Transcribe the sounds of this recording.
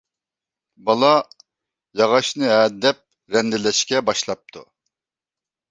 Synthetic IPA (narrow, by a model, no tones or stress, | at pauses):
bɑlˠɑ | jɑʁɑʃnɨɛd̪ɛp̚ | ɾɛnd̪ɪlɛʃkʲɛbɑʃlˠɑp̚t̪ʰṵ